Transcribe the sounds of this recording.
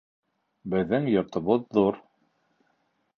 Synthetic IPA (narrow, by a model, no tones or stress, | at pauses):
bɘ̆ðːɘŋjŏɾt̪ŏβɤðːuɾ